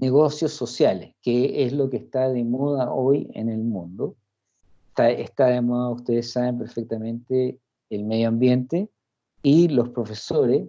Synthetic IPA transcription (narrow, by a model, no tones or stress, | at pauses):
neɣosjosːo̞sjaleskeezlo̞kest̪aðemoð̞aʔojḛnelmũnd̪o | t̪aḛht̪aðemoðaust̪e̞ðesːaβe̞mp̬eɾfek̚t̪amẽnt̪eː | lmeðjoambje̞nt̪e | ilo̞spɾo̞fe̞soɾes